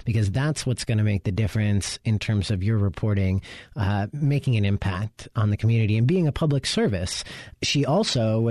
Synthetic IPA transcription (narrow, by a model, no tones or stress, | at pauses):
b̥ɨkʌzðætswʌtsɡ̥ʌnɨmeɪk̚ðɨdɪfɹɨ̃nsɨ̃ntʰɜ̃˞mzʌvjə˞ɹɨpʰɔɹɾɪ̃ŋ | meɪkɪ̃ŋɨ̃nɨ̃mpʰæk̚tn̩ðɨkʰmjʉnɨɾiɨ̃nbiɪ̃ŋɨpʰʌbləksɜ˞vɨsʃiʔɔlˠsoʊ